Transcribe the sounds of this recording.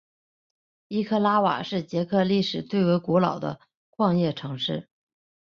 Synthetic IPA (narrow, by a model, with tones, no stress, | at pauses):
i˥kʰɤ˥˧la˥wa̰˨˩ʂɻ̩˥˩t͡ɕjɛ˧˥kʰɤ˥˧li˥˩ʂɻ̩˨˩t̪we˥˩ɪwe˧˥ɪku˧˥lɑ˨˩ʊd̪ə̰˦ | kʰwɑ˥˧ŋjɛ˥˩ʈ͡ʂʰɤ˧˥ŋʂɻ̩˥˩